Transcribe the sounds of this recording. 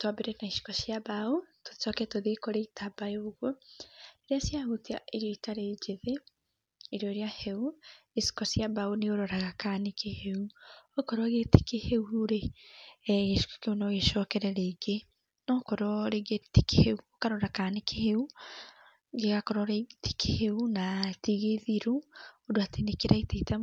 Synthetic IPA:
twabeɾenaiʃi̥kɔsjaβauto̥sɔkɛtoðekoɾeitʰabajoɣoeɾiasjahutia̰ʔeɾjɔitaɾed͡ʒeðeː | ɾɔiɾjaheuesi̥kɔsjaβauneoɾoɾaɣakanekeheuokoɾɔɣete̥keheuuɾe | ɣeʃu̥ko̥keonɔɣeʃɔːkɛɾɛɾeːɡe | nɔkɔɾɔɾeɣetekeheuokaɾoɾakanekʰeheu | ŋɡeɣakɔɾɔɾete̥kʰeheunatiɣeðiɾuodoatenekeɾaiteita

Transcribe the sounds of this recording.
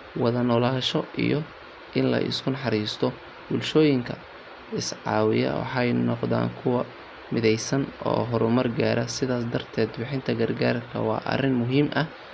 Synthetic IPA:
wɑðɐnɔːlaːʃɔʔḭjɔ | ʔɪnlɐ̰ʔɪ̰skʰʊnħɑɾiːst̪ʰɔ | b̥ʊlʃɔːjɪŋkʰɐ | ɪsʕɑ̰ːwɪ̰jɐ̰wɑ̰ħɑjnɔqða̰ːŋkʰʊwɐ | mɪðɛjsɐnɔ̰ːɦɔɾʊmɐrɡaːɾɐsɪðaːsd̪ɐrt̪ʰɛːd̪bɪħɪnt̪ʰɐɡɐrɡaːrkʰɐ̰wɑ̰ːʔɐ̰rɪnmʊɦiːmʔɐh

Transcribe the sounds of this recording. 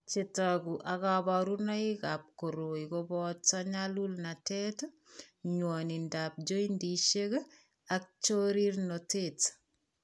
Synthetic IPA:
t͡ʃetɔkuʔakabaɾunaikap̚koɾoikobɔtt͡saɲalulnatɛt | ɲwɔnindaːp̚d͡ʒoindiʃek | ak̚t͡ʃoɾirnotet

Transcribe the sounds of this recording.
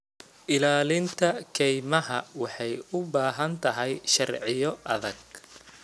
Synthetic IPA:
ʔɪlaːlɪnt̪ʰɐkʰɛjmɐɦɐwɑħɑjʊbaːɦɐnt̪ʰɐɦɛjʃɐrʕɪjɔʔɐðɐɡ

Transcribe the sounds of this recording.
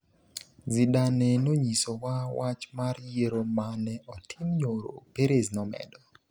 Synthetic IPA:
zidanɛnoɲisowawat͡ʃmarjeɾomanɛʔɔtʰɪmɲoɾo̰peɾeznɔmɛ̰dɔ

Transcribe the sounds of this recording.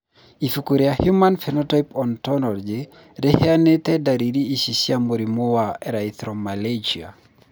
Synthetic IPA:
ifukuɾiahjumanfɛnɔtɔjpɔntɔnɔrd͡ʒɪ | ɾeheanet̪ɛdaɾiɾiːsisjamoɾimowaɛɾait̪ɾɔmaled͡ʒia̰

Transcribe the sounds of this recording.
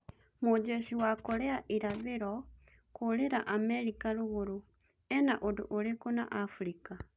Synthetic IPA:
mod͡ʒeʃiwakoɾɛaʔiɾaβeɾɔ | koɾeɾaʔamɛɾikaɾoɣoɾo | ɛnaʔodoʔoɾekona̰ʔafuɾika

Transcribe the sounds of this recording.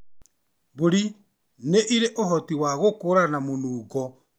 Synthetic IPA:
boɾi | neʔiɾeʔohɔtiwaɣokoɾanamonuːɣɔ

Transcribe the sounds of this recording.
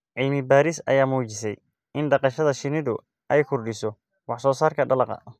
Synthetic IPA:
ʕiːmɪbaːɾɪsɐ̰jaːmuːt͡ʃɪsɛ̰j | ʔɪnɖɑqɑʃɐðɐʃɪnɪðʊ | ʔɛjkʰʊrɖɪsɔ | wɑħsɔːsaːrkʰɐɖɐlɑqɐ̰

